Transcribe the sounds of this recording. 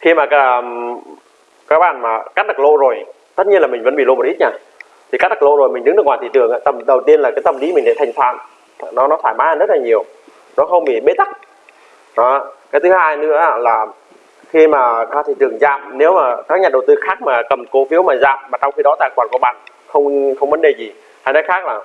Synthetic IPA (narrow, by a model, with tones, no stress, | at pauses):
xi˧maː˨˩ka˧˦˩ | kaː˨˦˥k̚ɓaː˧˨nmaː˨˩ka˦˥k̚ɗ̪ə˨˩k̚lo̰˧˨zo˨˩j | t̪ə˦˥t̚ɲi˧ənla˨˩mi˨˩ŋ̟və̰˧˥nɓḭ˧˨lm˨˩t̚i˦˥t̚ɲaː˧˩ | t̪ʰi˨˩kaː˦˥k̚t̪ə˨˩k̚lo̰˧˨zo˨˩jmi˨˩ŋ̟ɗɨ˨˦ŋɨ˨˩ŋwaː˨˩t̪i˧˨t͡ɕɨ˨˩əŋʔaː˧˩t̪ə˨˩mɗə˨˩wt̪i˧ənlaː˨˩kaː˨˦jt̪ə˧˩mli˨˦mï˨˩ŋ̟ɗa̰˧˨t̪ʰŋ̟t̪ʰwa̰ː˧˨n˨ | nɔ˨˦nɔ˨˦t̪ʰaː˧˩jmaː˨˦aː˨˩zə˦˥t̚laː˨˩ɲi˨˩əw | nɔ˨˦xə˧wŋ͡mɓḭ˧˩ɓe˨˦˥t̪a˦˥k̚ | ɗɔ˨˦˧kaː˨˦t̪ɨ˨˦haː˧jnɨ̰˧˥əa˧laː˨˩ | xi˧maː˨˩kaː˨˦t̪ʰi˧˨˩t͡ɕɨ̰˨˩əŋzaː˧˨mne˨˦wmaː˨˩kaː˦˥k̚ɲaː˨˩ɗə˨˩wt̪ɨ˧xaː˦˥k̚maː˨˩kə˨˩mko˨˦fi˨˦wmaː˨˩zaː˧mːaː˨˩t͡ɕɔ˧wŋ͡mxi˧ɗɔ˨˦t̪a̰ː˧˨˩kwaː˨˩nku˧˩ɓaː˧˨˩n | xə˧wŋ͡mxə˧wŋ͡mvə˨˦nɗe˨˩zi˨˩ | haː˧˩nɔ˨˦jxaː˦˥k̚laː˨˩